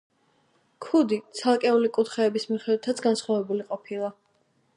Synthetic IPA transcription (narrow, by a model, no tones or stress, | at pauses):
kʰud̪it̪sʰalˠkʼɛulikʼut̪ʰχɛːbismiχɛd̪wɛt̪ʰat̪sʰɡansχwavɛbuliqʼɔpʰilˠa